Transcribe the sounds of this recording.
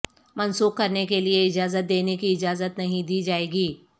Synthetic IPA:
mɐnsuːq̚kɐɾnekelieɪd͡ʒaːzət̪̚d̪eːnekiɪd͡ʒaːzət̪nɐɦĩd̪iːd͡ʒaːeːɡiː

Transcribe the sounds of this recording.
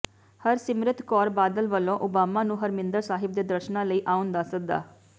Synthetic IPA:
həɾsɪmɾɪt̪kɔːɾbaːd̪əlʋəlːõːʔʊbaːmaːnũːɦəɾmɪnd̪əɾsaːɦɪb̚d̪eːd̪əɾʃnãːləiːʔaːʊnd̪aːsək̚d̪a̰ː

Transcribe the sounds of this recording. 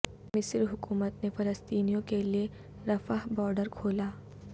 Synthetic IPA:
mɪsɾɦʊkuːmət̪nefɐləst̪iːnijõkelie | ɾɐfaɦbɔːɾɖəɾkʰoːlaː

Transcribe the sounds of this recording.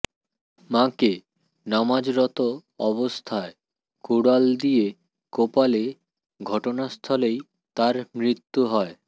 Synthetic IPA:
mãke | namad͡ʑɾɔt̪oɔβost̪ʰae | kuɽald̪ije | kopale | ɡʱɔʈonast̪ʰɔlej | t̪aɾmɾit̪ːuɦɔe

